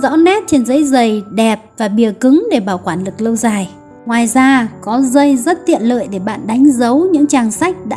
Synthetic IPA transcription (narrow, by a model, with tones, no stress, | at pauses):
zɔ̰˧˥nɛ˦˥t̚t͡ɕe˧nzə̰˨˦jzə˨˩jɗɛ˨˩p̚vaː˨˩ɓi˨˩əkɨ˨˦ŋɗe˧˩ɓaː˧˩wkwaː˧˩nlɨ˨˩k̚lə˧wzaː˨˩j | ŋwaː˨˩jzaː˧kɔ˨˦zə˧jzə˦˥t̚t̪ḭ˧˨ənlə̰ː˧˨jɗe˧˩ɓa̰ː˧˨nɗa˨˦jŋ̟zə˨˦wɲɨ̰˧˥ŋt͡ɕaː˨˩ŋsa˦˥jk̟̚ɗa̰ː˧˥